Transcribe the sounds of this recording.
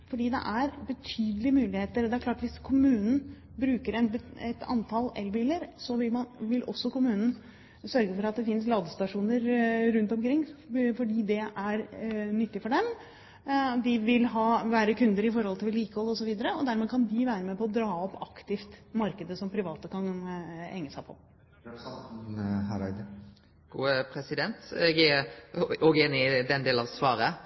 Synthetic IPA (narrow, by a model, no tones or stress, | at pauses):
fɔɖiːd̪ɛ̰ʔæɾbət̪ʰyːd̪əlɪəmʉːlɪheːt̪əɾɔd̪ɛæɾkʰlɑːʈʋɪskʰʊmʉːnn̩ | bɾʉːkəɾɛnbɛt̪ʰɑ̰nt̪ʰɑlɛ̰lbiːləɾsɔʋɪlmɑnʋɪlʔɔ̰sːɔkʊmʉːnən̩ | sœɾɡəfɔɾɑt̪̚d̪ɛfɪnːəs̬lɑːd̪əst̪ɑʂuːnəɾɾʉnt̪ɔmkʰɾɪŋːfɔɖiːd̪ɛʔæɾnʏt̪ːɪfɔɖɛm | d̪ɪʋɪlɦɑːʋæːɾəkʉnd̪əɾɪfɔɾhɔlt̪ɪlːiːkəhɔlːəɔsɔʋiːd̪əɾəɔd̪æɾmeːkʰɑnd̪ɪʋæːɾəmeːpɔɔd̪ɾɑːɔpːɑkt̪ɪft̪mɑɾkəd̪əsɔmpʰɾɪʋɑːt̪əkʰɑnhɛ̰ŋːəsæɪpʰɔ̰ | ɾ | ɡ̥uːəpʰɾɛsɪd̪ɛnt̪ɛɡɛ | ɔɡeːnɪd̪ɛnd̪eːlɑʋsʋɑːɾə